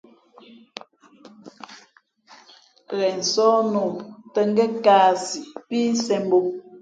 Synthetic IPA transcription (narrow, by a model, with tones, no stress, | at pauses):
ɣɛ˨n̩˨sɔː˦no˨mtə˦ŋ˦ɡɛ˦kaː˦si˨piː˦sɛ˦m˦bo˦